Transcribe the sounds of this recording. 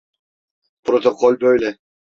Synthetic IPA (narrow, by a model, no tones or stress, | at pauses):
pɾot̪okʰɔlʲbøjlɛ